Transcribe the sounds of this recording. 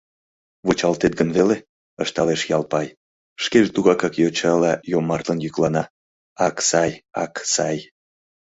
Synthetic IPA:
βot͡ɕɑlt̪et̪̚ɡənβele | əʃt̪ɑleʃjɑlpɑj | ʃkeʒet̪uɣɑkɑkjot͡ɕɑlɑjomɑrt̪lənjyklɑnɑ | ɑksɑjɑ̰ksɑj

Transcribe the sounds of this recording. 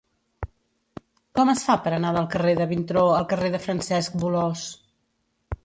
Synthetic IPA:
kɔməsfapəɾənaðəlˠkəreðəβint̪ɾoəlˠkəreðəfɾənsɛsk̚bulɔs

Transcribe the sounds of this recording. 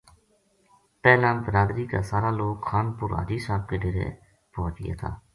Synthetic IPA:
pɛːlãːbəɾaːd̪ɾiːka̰ːsaːɾaːloːkxaːnpʊɾa̰ːd͡ʒiːsaːb̚keːɖeːɾḛː | pɔːt͡ʃɪjḛːt̪ʰa̰ː

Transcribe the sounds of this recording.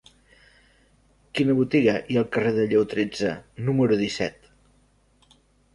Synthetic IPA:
kinəβut̪iɣəʔiəlˠkəreðəʎewt̪ɾed͡zənuməɾuðisɛ̰t̪

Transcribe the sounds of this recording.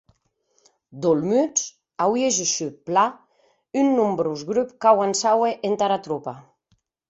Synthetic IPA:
d̪olmyt͡s | awieʒiʃypla | ynːumbɾuzɡɾypkawansaweʔent̪aɾat̪ɾupa

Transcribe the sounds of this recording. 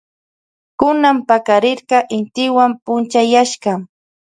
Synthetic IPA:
kʊnampakaɾɪɾqɑʔɪnt̪ɪwampʊnt͡ʃajaʃɢɑ

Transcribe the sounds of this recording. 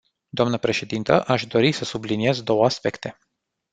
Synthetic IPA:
d̪oamnəpɾe̞ʃe̞d̪int̪ə̰ʔaʃd̪o̞ɾisəsublinije̞zd̪o̞wəaspe̞kt̪e̞

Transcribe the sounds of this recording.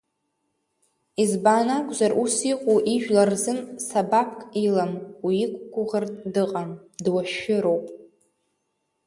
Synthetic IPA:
izbaːnakʷʼzarʔusiqʷʼuʔiʒᶣlarzɨnsabapʰkʼilamwiːkʷʼɡʷʊʁartʼdɨqʼamdwaʃᶣɪɾowpʼ

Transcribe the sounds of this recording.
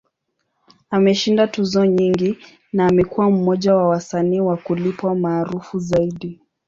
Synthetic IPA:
amɛʃindatuzɔɲiŋɡi | naːmɛkuwam̩mɔʄawawasaniːwakulipwamaːɾufuzaiɗi

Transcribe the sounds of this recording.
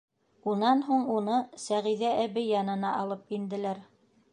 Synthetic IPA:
unɑnɦuɴunɤsæʁiðæʔæβɘjɑnɤ̆nɑʔɑlˠɤpind̪ɘ̆læɾ

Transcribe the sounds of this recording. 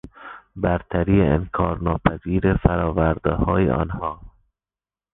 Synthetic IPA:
bæɾt̪ʰæɾiːeḛnkʰɒːɾnɒːpʰæziːɾefæɾɒːvæɾd̪ehɒːjḛʔɒ̰ːnhɒː

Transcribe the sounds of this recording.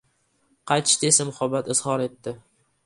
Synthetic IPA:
qʰɑjt̪ʃɪ̥t̪esamʊhabːat̪ɪz̥hɒɾe̞t̪ːɪ

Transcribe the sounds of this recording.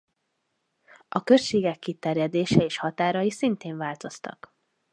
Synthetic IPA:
ʔɒkøʃeːɡɛkːit̪ɛrjɛd̪eːʃɛeːʃhɒt̪aːɾɒjisint̪eːɱvaːlt̪o̞st̪ɒ̰k

